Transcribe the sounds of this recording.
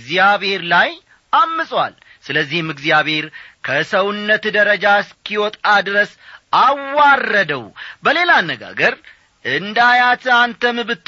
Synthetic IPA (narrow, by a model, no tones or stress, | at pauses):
zjaβhe̞ɾlaj | ʔamːɨsʼwa̰l | sɨləzːihmɨɡzijaβhe̞ɾkʰəsəwunːət̪d̪əɾəd͡ʒaskʰiwɔt̪ʼad̪ɾəs | awːarːəd̪əwbəle̞lanːəɡa̰ɡəɾ | ʔɨnd̪ajat̪ʰɨant̪ʰəmɨβɨt̪ː